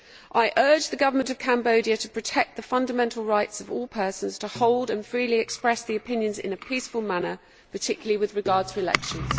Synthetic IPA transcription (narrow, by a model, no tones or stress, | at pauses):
ʔaɪʔɜːd͡ʒðəɡʌvəmə̃ntəv̥kʰæ̃mbəʊdiətʰəpʰɹ̥ətʰɛk̚ðəfʌ̃ndəmɛ̃ntʰˡəl̩ˠɹaɪtsəvɔːlˠpʰɜˑsə̃nz̥tʰəhɒʊlˠdə̃nfɹiːliɛkspɹɛsðiəpɪ̃njə̃nzɪ̰̃nəpʰiˑsfəlˠmanə | pʰətʰɪkjləliwɪðɹɪɡɑːd̥̚tʰəɪlɛ̰kʃə̃nz̥